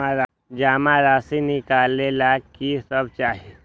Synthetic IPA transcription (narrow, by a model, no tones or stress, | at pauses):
aɾa | d͡ʒaːmaɾaːsinɪkaːlelakisəbt͡ʃaːɦe